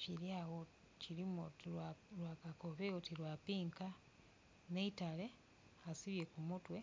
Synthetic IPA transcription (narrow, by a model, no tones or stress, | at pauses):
t͡ʃiɾjaːwo | ciɾimu | ɾwaːkako̞βeotiɾwapiːŋka | neitale̞ | asiβje̞kumutwe̞